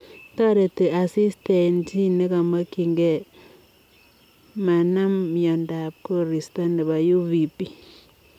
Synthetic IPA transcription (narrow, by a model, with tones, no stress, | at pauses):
ta˦ɾe˨ti˨a˨si˦ste˨nti˦ni˦ka˨ma˦ki˨ŋɡɛ˦ | ma˨na˦mjɔ˨nda˨p̚ko˦ɾi˨sta˦ni˨ba˨ju˦vi˨pi˦